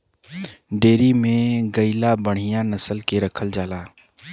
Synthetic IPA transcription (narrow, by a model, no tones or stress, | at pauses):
ɖeːɾimẽɡəɪlabəɽ̤̃ijãnəsəlkeɾəkʰəld͡ʒaːlaː